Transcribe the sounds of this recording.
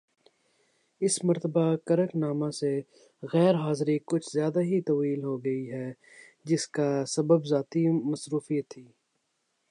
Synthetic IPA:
ɪsmɐɾt̪əbakɐɾəknaːmãse | ɣɛːɾɦaːzɾikʊt͡ʃʰzjaːd̪aɦit̪ɐwiːlɦoɡɐiɦɛː | d͡ʒɪskasɐbəbzaːt̪imɐsɾuːfijət̪ʰːiː

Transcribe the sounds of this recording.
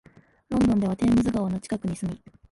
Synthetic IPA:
ɾõ̞nd̪õ̞nd̪e̞βat̪e̞ːmɯ̟zɨɡaono̞t͡ɕi̥kakɯ̟ɲ̟isɨmʲi

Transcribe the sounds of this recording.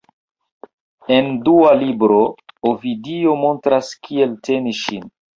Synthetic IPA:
e̞ndualibɾo̞ovidio̞mo̞ntɾaskʰie̞lte̞niʃin

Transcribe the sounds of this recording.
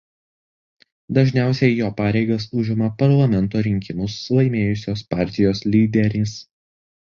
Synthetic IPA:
d̪ɐʒʲnʲæˑʊsʲɛɪjoːpɑːɾʲɛɪɡɐsʊʒʲɪmɐpɐɾlˠɐmʲɛnt̪oːɾʲɪŋʲkʲɪmʊsːlˠɐɪmʲeːjʊsʲoːspɑːˑɾʲt̪ʲɪjoːslʲiːd̪ʲɛɾʲɪs

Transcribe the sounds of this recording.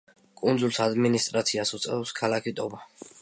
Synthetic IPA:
kʼund̪zulˠsad̪minist̪ʼɾat̪sʰiasut̪sʼɛ̰ɛskʰalakʰit̪ʼɔba

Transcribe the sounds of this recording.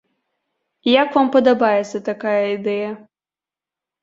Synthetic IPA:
jakvampɐd̪abajɛt̪sɐt̪akajɐid̪ɛjɐ

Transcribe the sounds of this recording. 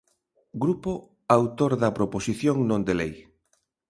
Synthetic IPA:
ɡɾupo | awt̪oɾðɐpɾoposiθjoŋnõnd̪elej

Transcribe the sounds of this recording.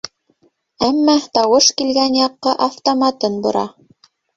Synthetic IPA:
æmːæt̪ɑwɤʃkilɡænjɑqːɤʔɑft̪omɑt̪ɤnbŏɾɑ

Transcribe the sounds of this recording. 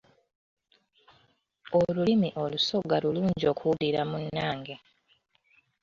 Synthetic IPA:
olulimiʔo̞luso̞ɡaluluːɲɟo̞ːkuuliɾamunːaːŋɡe

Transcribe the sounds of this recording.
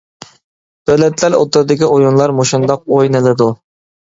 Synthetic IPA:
d̪̥øwlɛt̪læɾo̰t̪ɨɾɨd̪ɪkʲiʔojunlˠɑɾmoʃund̪ɑq̚ojnɨlˠɨd̪u

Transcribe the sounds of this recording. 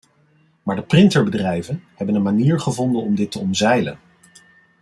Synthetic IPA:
maːɹdəprɪntəɹbədrɛjvənhɛbənənmaniːɹχəvɔndənɔmdɪtəɔnzɛjlən

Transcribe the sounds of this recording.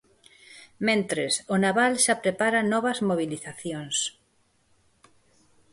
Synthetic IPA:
mẽnt̪ɾesʊnaβalʃapɾepaɾanɔβɐzmoβ̞iliθaθjoŋs

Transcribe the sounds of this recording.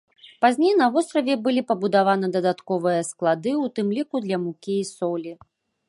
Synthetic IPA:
pazʲnʲejnɐvɔst̪ɾɐvʲɛbɨlʲipɐbud̪avanɐd̪ɐd̪at̪kɔvɨjɐsklˠad̪ɨwt̪ɨmlʲikud̪lʲɐmukʲiːsɔlʲi

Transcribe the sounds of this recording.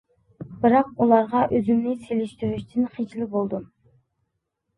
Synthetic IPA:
bɨɾɑq̚ulˠɑɾʁɑʔøzymnɪseliʃt̪yɾyʃt̪ʰɪnχid͡ʒlɪbolˠd̪um

